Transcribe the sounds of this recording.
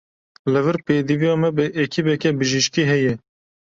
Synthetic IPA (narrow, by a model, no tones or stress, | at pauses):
lɨvɨɾpeːd̪ivijɑːmɛbɨʔekʰibɛkɛbɨʒiʃkiːɦɛjɛ